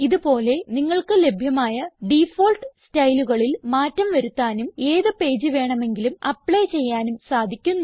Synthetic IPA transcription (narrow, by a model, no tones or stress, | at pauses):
iðupo̞ːle̞niŋːɐɭkɨle̞bʱjɐmaːjɐɖifoːlʈɨstɐjluɣɐɭilmaːtːɐmʋɐɾut̪ːaːnumeːðɨpe̞ːd͡ʑɨʋe̞ːɳɐme̞ŋɡilumɐpːɭet͡ɕe̞jːaːnumsaːd̪ʱikʲːunːu